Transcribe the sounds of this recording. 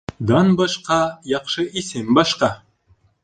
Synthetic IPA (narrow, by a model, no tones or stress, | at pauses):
d̪ɑnbɑʃqɑjɑqʃɤʔisɘmbɑʃqɑ